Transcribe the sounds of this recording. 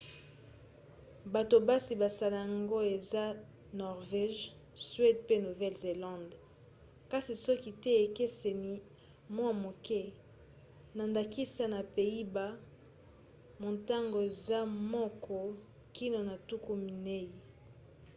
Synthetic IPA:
ba˨to˨ba˦si˨ba˨sa˨la˨ja˨ŋɡo˦e˨za˦ | nɔ˨ʁvɛ˦ʒ | sɥe˦dpe˦nu˨vɛ˦lze˨lã˦nd | ka˦si˨sɔ˦ki˦tɛ˦e˨ke˦se˨ni˨ | mwa˦mo˨kʰɛ˦ | na˨nda˨ki˦sa˦na˨pe˨i˦ba˦ | mo˨nta˦ŋɡo˨e˨za˦mɔ˦kʰɔ˦ | ki˦no˨na˨tu˦ku˦mi˨ne˦ji˨

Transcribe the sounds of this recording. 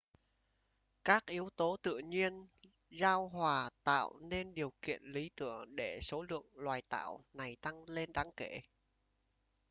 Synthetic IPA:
kaː˦˥k̚ʔi˨˦əwt̪o˨˦t̪ɨ̰˧˨əɲi˧ən | zaː˧wɦwaː˨˩t̪a̰ː˧˨wne˧nɗi˨˩əwkḭ˧˨ənli˨˦t̪ɨ̰˧˩əŋɗe˧˩so˨˦lɨ̰˧˨əŋlwaː˨˩jt̪a̰ː˧˨wna˨˩jt̪a˧ŋle˧nɗaː˨˦ŋke˧˩˨

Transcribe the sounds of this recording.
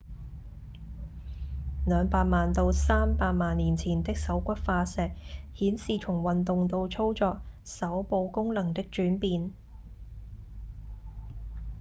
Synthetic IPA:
lœː˨˧ŋpaː˧t̚maː˨nt̪o˧wsaː˥mpaː˧t̚maː˨nːiː˨˩nt͡sʰiː˨˩nt̪ɪ˥k̚sɐ˨˥wkʷɐ˥t̚faː˧sɛː˨˧k̚hiː˨˥nsiː˨t͡ʃʰʊ˨˩ŋwɐ˨nt̪ʊ˨ŋt̪o˧wt͡sʰo˥wt͡sɔː˧k̚sɐ˨˥wpo˧wkʊ˥ŋlɐ˨˩ŋt̪ɪ˥k̚t͡ʃyː˨˥npiː˧n

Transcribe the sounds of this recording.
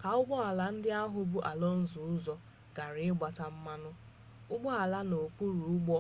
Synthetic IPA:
ka˨ʊ˦ɡ͡bɔ˦a˨la˨n̩˦dɪ˦a˦ɦʊ˦bu˦ʔa˨lɔ˦n̩˦zʊ˨ʊ˦zɔ˦ | ɡ̥a˨ɾɪ˨ɪ˦ɡ͡ba˨ta˦m̩˦ma˦nʊ˦ | ʊ˦ɡ͡bɔ˦a˨la˦no˨k͡pu˦ɾu˨ʊ˦ɡ͡bɔ˦

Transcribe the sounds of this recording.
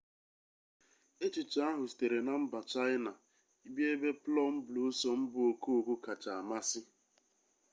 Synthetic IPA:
e˦t͡ʃi˨t͡ʃa˦a˦ɦʊ˨si̥˨te˨ɾe˨na˨m̩˦ba˨t͡ʃa˦ɪ˦na˨ | i˦bi˦e˦be˦plɔ˦m̩˦blu˨˦sɔ˦m̩˦bʊ˦o˨ku˦o˨ɡu˦ka˨t͡ʃa˨a˨ma˦sɪ˦

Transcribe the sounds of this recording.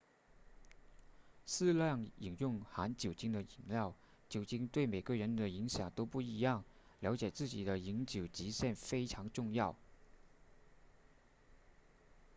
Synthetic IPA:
sɹ̩˥˧ljɑ˥˩ŋi˨˩ŋjʊ˥˩ŋxa˧˥nt͡ɕjo˨˩ʊt͡ɕi˥ŋd̪ə˨i˨˩ŋljɑ˥˩ʊ | t͡ɕjo˨˩ʊt͡ɕi˥ŋt̪we˥˩ɪme˨˩ɪɡə˧ɻə˧˥nd̪ə˨i˧˥ŋɕjɑ˨˩ŋt̪o˥ʊpu˥˩i˧˥jɑ˥˩ŋljɑ˧˥ʊt͡ɕjɛ˨˩t͡sɹ̩˥˩t͡ɕi˨˩d̪ə˦i˧˥ŋt͡ɕjo˨˩ʊt͡ɕi˧˥ɕjɛ˥˩nfe˥ɪʈ͡ʂʰɑ˧˥ŋʈ͡ʂʊ˥˧ŋjɑ˥˩ʊ

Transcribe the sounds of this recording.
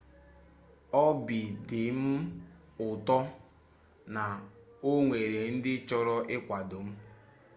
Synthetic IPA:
ɔ˦bi˨dɪ˨m̩˦ | ʊ˨tɔ˦ | na˨ | o˦ŋʷe˨ɾe˨n̩˦dɪ˦t͡ʃɔ˦ɾɔ˦ʔɪ˦kʷa˨dʊ˨m̩˦

